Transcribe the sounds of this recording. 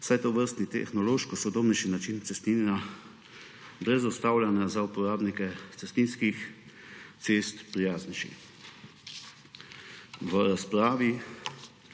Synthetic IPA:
sajt̪ɔʋəɾst̪nit̪ɛ̰xnɔloːʃkɔsɔd̪obnɛʃinat͡ʃint̪sɛst̪ina | bɾɛzɔst̪aːwljanazaupɔɾaːbnikɛt̪sɛst̪inskix | t̪seːst̪pɾijaːzniʃḭx | ʋəɾaspɾaːʋi

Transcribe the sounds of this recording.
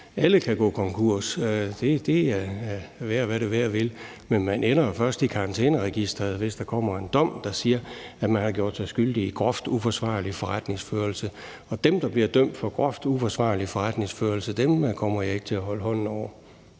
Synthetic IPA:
æləkʰæɡ̥ɔ̰ːkʰɒ̽ŋkʰuɐ̰sd̥ed̥e̝ | ʋæɐʋæɾeʋæɐʋe̝l | menmænenɐfɶɐsd̥ikʰɑ̈ʁɑ̈nt͡sʰḛːnəʁɛɡ̥isd̥ʁɐð̞̩ˠʋe̝sd̥ɑ̈kʰɒ̽m̰ɐe̝nd̥ɒ̽m̰d̥ɑ̈siːɐæ̥mænhɑ̈ɡ̥jo̝ɐd̥sɑ̈ɪsɡ̥yld̥iːɡ̥ʁɒ̽fd̥ufɒsʋɑ̰̈ːlifɒ̽ʁad̥ne̝ŋsføːɐl̩sə | ɒ̽d̥emd̥ɑ̈b̥liɐd̥øm̰d̥fɒ̽ɡ̥ʁɒfd̥ufɒ̽sʋɑ̰̈ːlifɒʁad̥ne̝ŋsføːɐlsəd̥emkʰɒ̽m̰ɐjɑ̈e̝ɡ̥t͡sʰe̝læɦɒ̽lɦɒ̽n̰n̩ɒʊ̰ɐ

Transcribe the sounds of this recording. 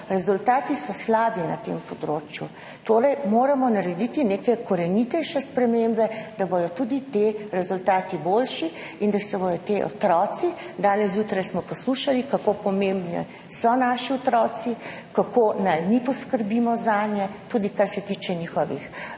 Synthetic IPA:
ɾɛzult̪aːt̪isɔslaːbina̰t̪empɔd̪ɾoːt͡ʃjṵ | t̪oːɾɛjmoːɾamɔnaɾɛd̪it̪inekɛkɔɾɛnit̪ɛjʃɛspɾɛmembɛd̪abɔj̪ɔt̪uːd̪it̪eɾɛzult̪aːt̪iboːlʃi | ind̪asɛbɔd̪ɔt̪eʔɔ̰t̪ɾɔːt̪sid̪aːnɛsjuːt̪ɾajsmɔpɔsluʃalikakopɔmembnḭ | sɔnaːʃiɔt̪ɾɔːt̪si | kakoːnajnipɔskəɾbiːmɔzaːnjɛt̪ud̪ikaɾsɛt̪iːt͡ʃɛniːxɔʋḭx

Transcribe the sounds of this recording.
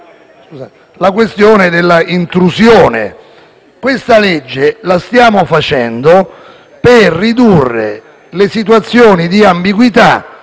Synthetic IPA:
skuzat̪ | lakwest̪joːned̪elːaint̪ɾusjoːnḛ | kwest̪aled͡ʒːelast̪jaːmofat͡ʃɛnd̪o | perːid̪urːḛ | lesit̪wat̪sːjoːnid̪iambiɡwit̪a

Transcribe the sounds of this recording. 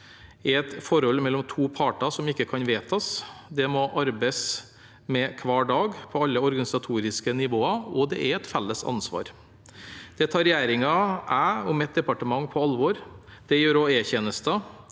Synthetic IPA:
ɛɛt̪fɔɾɔlːmɛlːɔmt̪ʰuːpʰɑːʈɑsɔmɪkːəkʰɑnʋeːt̪ʰɑsd̪ɛmɔʔɑɾbəs | mɛkʰʋɑːɖɑːɡpʰɔɑlːəɔɾɡɑnɪsɑt̪ʰuːɾɪskənɪʋoːɑɔd̪ɛ̰ʔɛɾɛt̪fɛlːəsɑ̰nsʋɑ̰ːɾ | d̪̥ɛt̪ʰɑːɾɛjæːɾɪŋɑʔæɔmɛt̪̚d̪ɛpɑʈəmɑŋːpʰɔɑlʋɔɾd̪̥ɛjøːɾɔeːçeːnəst̪ə

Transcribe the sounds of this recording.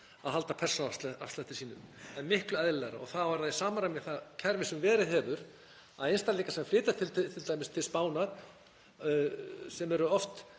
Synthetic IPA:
aðɦalt̪apʰɛr̥sɔna̰fst̪at̪ɪ̥siːnʏmɛnmɪhklʏɛðlɛɣɾa̰ɔ̰ɣθavaɾðasaːmaɾamɪɣθaðcʰɛɾvɪsʏmvɛːɾɪðɦɛvʏɾ | aðejnst̪aɾliːkasɛmfɾɪːt̪at̪ʰɪt̪t̪ʰːɪlt̪aːjmɪst̪ʰɪlspaːwnaɾ̥ | sɛmɛɾʏɔft̪

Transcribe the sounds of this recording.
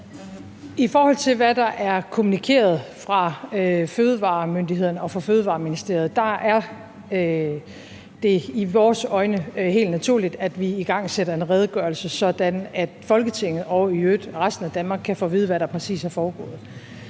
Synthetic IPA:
ʔifɒːhɒ̽l̰t͡sʰe̝lʋæd̥ɑ̈ʔæɐkʰo̝munikʰe̝̰ːɐð̞̩ˠfʁɑ̈øføːð̞ˠəʋɑ̰̈ːmønd̥iɦe̝ð̞̰ˠɐnəɒ̽fʁɑ̈føːð̞̩ˠʋɑ̈ːminisd̥e̝ɐð̩ˠd̥ɑ̈æɐ | d̥e̝iʋɒːsɒ̽ɪnəɦe̝̰ːld̥næt͡sʰuɐ̰lid̥æd̥ʋiiɡ̥ɑ̈ŋ̰seɾ̥ɐe̝nʁɛð̞ˠɡ̥ɶɐlsəsɒ̽d̥ænæd̥fɒ̽lɡ̥ət͡sʰe̝ŋ̰ð̞̩ˠɒ̽ʊyød̥ʁasd̥n̩æd̥ænmɑ̈ːɡ̥kʰːæfɔ̰ːʋiːð̞ˠʋæɾɑ̈pʰʁɛsḭːshɑ̈fɒːɡ̥ɔ̰̽ːð̩ˠ

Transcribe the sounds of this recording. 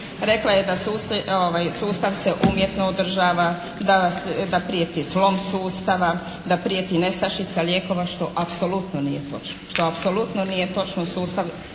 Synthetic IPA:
ɾe̞klajed̪asuːsoʋajsuːst̪aʋse̞ʔumje̞t̪nood̪r̩ʒaːʋa | d̪asd̪apɾiet̪islo̞msuːst̪aʋa | d̪apɾiet̪ine̞st̪aʃit̪salje̞ːko̞ʋaʃt̪o̞ʔapso̞lut̪nonije̞t̪o̞t͡ʃnoʃt̪o̞apsolut̪nonije̞t̪o̞t͡ʃnosuːst̪aʋ

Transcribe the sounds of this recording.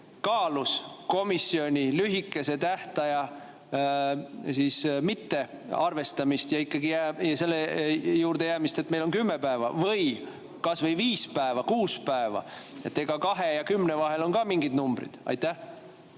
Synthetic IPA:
kɑːlusko̞misːio̞nʲilyɦikːˑe̞se̞t̪æht̪ɑjɑ | siːsmit̪ːe̞ | ɑrve̞st̪ɑmist̪jɑikːˑɑɡijæɑse̞lːejuːɾd̪̥e̞jæːmist̪et̪ːme̞jlo̞nkymːe̞pæevɑ̰vɤj | kɑsvɤjviːspæevɑkuːspæevɑ̰ | e̞t̪ːeɡ̥ɑkɑɦe̞jɑkymːnevɑɦe̞lo̞nkɑːmiŋɡid̪numb̥ɾḭd̪̥ɑ̰jt̪ːæh

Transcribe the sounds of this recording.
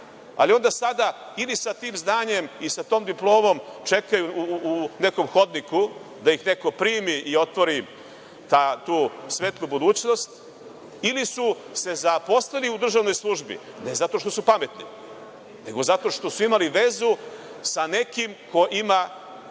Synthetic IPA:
a̰lio̞nd̪asad̪a | ilisat̪iːmznaːɲe̞misat̪o̞ːmd̪iplˠo̞ːmo̞mt͡ʃe̞kajuː | ne̞ko̞mxo̞d̪niku | d̪ajixne̞ko̞pɾiːmiʔio̞t̪ʋo̞ɾi | t̪aːt̪uːsʋeːt̪lˠubud̪uːt͡ɕno̞st̪ | ilisuse̞zapo̞slaliud̪r̩ʒaʋno̞jslˠuʒbḭ | ne̞zat̪o̞ʃt̪o̞supame̞t̪ni | ne̞ɡo̞zat̪o̞ʃt̪o̞suimaliʋe̞zusane̞kimko̞ʔima

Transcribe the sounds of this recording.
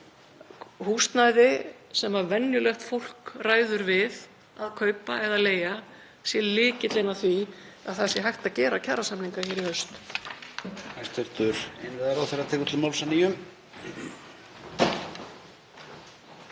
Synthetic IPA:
hust̪naːjðɪsɛmavɛnːjʏlœxt̪fowl̥kraːjðʏɾvɪð | aðkʰœːɥpaɛðaleːja | sjɛlɪːcɪt̪lejnaθvi | aðθasɪɦajht̪acɛːɾacʰarasamniŋkaçɛɾiœɥst̪ | ɛ̥st̪vɛɾ̥t̪ʏɾ̥ejnɪðaɾawθɛrːat̪ʰɛkʏt̪lʏmɔlsanijʏm

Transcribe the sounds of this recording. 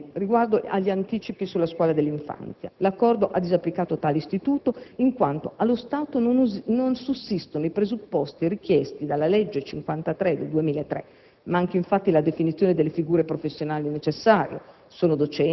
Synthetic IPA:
riɡward̪oa̰ʎːiant̪iːt͡ʃipisulːaskwɔːlad̪elːiɱfa̰nt̪sja̰lakːɔrd̪oʔad̪ːizapːlikaːt̪ot̪aːleist̪it̪uːt̪oiŋkwant̪oʔalːost̪aːt̪ononnonsusːist̪onoipɾezupːɔst̪irik̟jɛst̪id̪alːalɛd͡ʒːet͡ʃiŋkwant̪at̪ɾɛd̪eld̪uemiːlaet̪ːɾɛ̰ | maŋkeiɱfat̪ːilad̪efinit̪sːjoːned̪elːefiɡuːɾepɾofesːjonaːlinet͡ʃesːaːɾjḛ | soːnod̪ot͡ʃɛ

